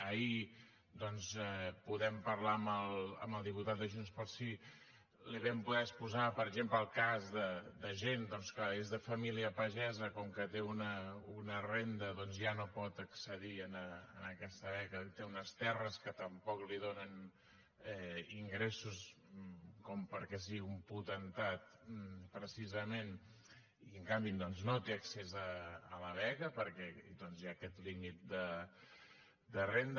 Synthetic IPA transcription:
əi | d̪ɔnzɛpuðɛmpəɾlaəməlˠə̰məlˠd̪iput̪at̪̚d̪əʒunspəɾsi | liβɛmpuðɛəspuzapəɾəɡzempləːlˠkazðəd̪əʒend̪ɔnskaezðəfəmiliəpəʒɛzəkɔŋkət̪eunəunərend̪əðɔnzʒanopɔt̪əksəðiənəːnəkɛst̪əβɛkət̪eunəst̪ɛrəskət̪əmpɔkliðonən | ɛiŋɡɾesus | kɔmpəɾkɛs̬iɣiumput̪ənt̪at̪̚pɾəsizəmen | iəŋkambid̪ɔnznot̪eəksezəːləβɛkəpəɾkɛd̪ɔnzjakɛt̪limit̪̚d̪ə | d̪ərend̪

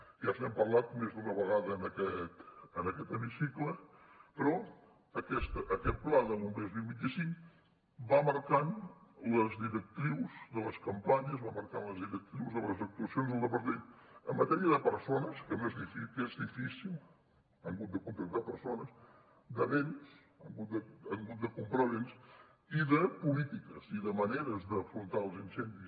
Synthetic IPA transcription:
ʒazɛmpəɾlat̪mezðunəβəɣaðəːnəkɛt̪ənəkɛt̪əmisiklə | pəɾɔ | əkɛst̪əʔːkɛt̪̚plaðəulmezβilˠβint̪isiŋk | baməɾkanləzðiɾək̚t̪ɾiwzðələskəmpaɲəzβaməɾkanləzðiɾək̚t̪ɾiwzðəβələzək̚t̪uəsijonzðəlˠd̪əpəɾt̪enəmːət̪ɛɾiəðəpəɾsonəskənezðifikezðifisilˠ | aŋɡut̪̚d̪əkunt̪ɾək̚t̪apəɾsonəs | d̪əβens | a̰ŋɡud̪əaŋɡut̪̚d̪əkumpɾaβens | iðəpulit̪ikə̰ziðəməneɾəzðəfɾunt̪aəlˠzinsɛnd̪is

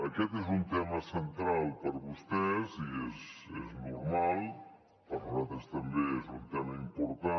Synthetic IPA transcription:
əkɛt̪ezunt̪ɛməsənt̪ɾalˠpəɾβust̪ɛziezeznuɾmalˠ | pəɾuzat̪ɾəst̪əmbeezunt̪ɛməimpuɾt̪a

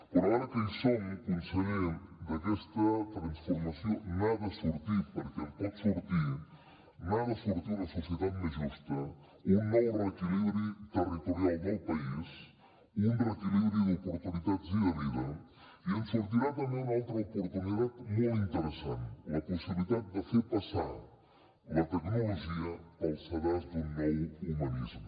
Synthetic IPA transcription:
pəɾaɾəkunsɛɣkunsəled̪əkɛst̪ət̪ɾansfuɾmasjonaðəsuɾt̪ipəɾket̪asuɾt̪i | maðəsuɾt̪iləsusjət̪at̪maʒist̪ə | unːɔwrək̪iliβɾit̪ərit̪uɾjalˠd̪əlˠpais | unrək̪iliβɾjuðupuɾt̪uniðat̪ziɐβiðɐ̰ | iənsuɾt̪iɾat̪ɐmẽjnalˠt̪ɾɐupuɾt̪uniðat̪mojint̪əɾəsãnt̪ɐpusiβliðat̪̚d̪əfeɾpɐsa̰ɾ | lɐt̪əknoloʒiɐkɐlˠsɐβɔɾzd̪uŋmɛjumɐnizmu

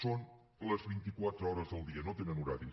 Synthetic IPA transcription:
son | ləzβint̪ikwat̪ɾəɔɾəzðəlˠd̪iənot̪enənuɾa̰ɾi

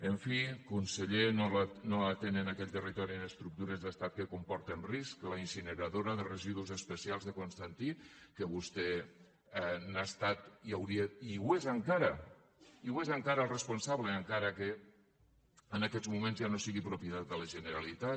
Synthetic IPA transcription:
əɱfikunsəʎenolnoat̪enenakɛʎt̪ərit̪ɔɾiənəst̪ɾuk̚t̪uɾezðəst̪at̪̚kəkumpɔɾt̪enriskləinsinəɾaðoɾaðərəziðuzəspəsialˠzðəkunst̪ant̪ikəβust̪ɛ | ɛnast̪at̪iawɾiəiwezəŋkaɾɐ | iwezəŋkaɾəlˠrəspunsaβləːŋkaɾəke | ənakɛzmumẽnzjanosiɣipɾupiət̪at̪̚d̪ələʒənəɾalit̪a

